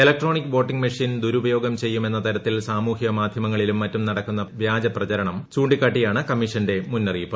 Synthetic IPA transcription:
elɐk̚ʈro̞ːɳikːɨbo̞ːʈːiŋɡmɐʂind̪uɾubɐjo̞ːɡɐmt͡ɕe̞jːume̞nːɐt̪ɐɾɐt̪ːilsaːmuːhjɐɐmaːd̪ʱjɐmɐŋːɐɭilumːɐtːumnɐɽɐkːunːɐʋjaːd͡ʑɐprɐt͡ɕɐɾɐɳɐmt͡ɕuːɳɖikːaːʈːijaːɳɨkɐmːiʂɐnde̞munːɐriːpːɨ

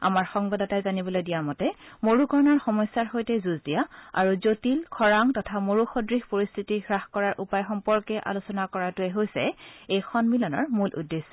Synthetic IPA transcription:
a̰maɹxɔŋbadɔtajzanibɔlojdijamɔtɛmoɹukɔɹnɔɹxɔmɔsːaɹxojtɛzuzdijaa̰ɹuzotilkʰɔɹaŋtɔtʰamoɹuxɔdɹixpoɹist̪ʰitiɡɹaxkɔɹaɹʔupajxɔmpɔɹkɛʔa̰lusɔnakɔɹatʊɛɦojsɛejxʰɔnmilɔnɔ̰ɹmulʔṵdːesɔ

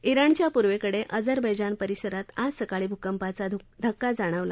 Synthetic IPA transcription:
iɾəɳt͡ɕjapuɾʋekəɽeʔəd͡zəɾbʱəjd͡ʑanpəɾiɕəɾat̪ad͡zsəkaɭiːbʱukəmpat͡sad̪ʱəkːad͡zaɽ̃əʋla

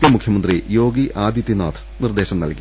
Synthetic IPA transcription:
jɐmukʰjɐmɐnd̪rijo̞ːɡiʔaːd̪jit̪ːina̰ːt̪ʰ | nird̪e̞ːɕɐmnɐ̰lkːi

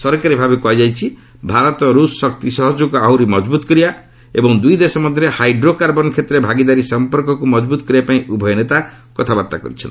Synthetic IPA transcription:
sɔɾkaɾibʱabekuajd͡ʒajt͡ʃʰi | bʱaɾɔt̪ɔɾussɔk̚t̪isɔɦɔd͡ʒuɡɔaɦuɾimɔd͡ʒbut̪ɔkɔɾia | ebɔŋd̪ujd̪esɔmɔd̪ʱːɾehajɖɾokaɾbɔnkʰet̪ɾebʱaɡid̪aɾisɔmpɔɾkɔkumɔd͡ʒbut̪ɔkɔɾiapaĩʔubʱɔjɔnet̪a | kɔt̪ʰabaɾt̪akɔ̰ɾit͡ʃʰɔ̰nt̪i

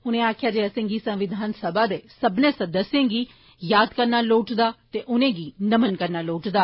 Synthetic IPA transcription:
ʊnẽːaːkʰɪjaːd͡ʒeːəsẽːŋɡiːsə̃mʋɪd̪ʱaːnsəbaːd̪eːsəbnẽːsəd̪əsẽːɡiː | jaːd̪kəɾnaːloːʈd̪aːt̪eːʔʊnẽːɡiːnəmənkəɾnaːloːʈd̪aː

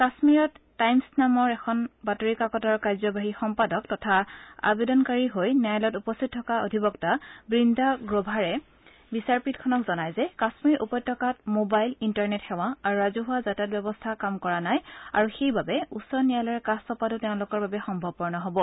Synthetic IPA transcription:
kasmiɹɔtːajmsnamɔɹɛkʰɔnbatoɹikakɔtɔɹkajzɔbaɦixɔmpadɔk̚tɔtʰaa̰bedɔnkaɹiɦojnajlɔtupɔstʰit̚tʰːɔkaodʱibɔktabɹindʱaɡɹobʱaɹɛ | bisaɹpitkʰɔnɔkzɔnajzɛkasmiɹʔupɔjtʰːɔkat̚mobajlintaɹnɛtxɛw̃aaɹuɹazuɦʊwazatat̚bjɛbɔstʰakamkɔɹanajaɹuxejbabɛusɔɹnijalɔɹɛkastɔpatʊteʊ̃lʊkɔɹbabɛxɔmbʱɔb̚pɔɹnɔɦobɔ

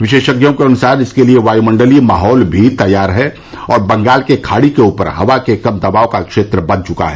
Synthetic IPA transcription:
ʋɪʃeːʃɐɡjõkeɐnʊsaːɾɪskelieʋaːjimɐ̃ɳɖəlimaːɦɔːlbʱit̪ɐjːaːɾɦɛ | ɔːɾbɐ̃ŋɡaːlkekʰaːɽikeuːpə̰ɾɦɐʋakekɐmd̪ɐbaːokakʃeːt̪ɾəbɐd̪t͡ʃʊka̰ɦɛ

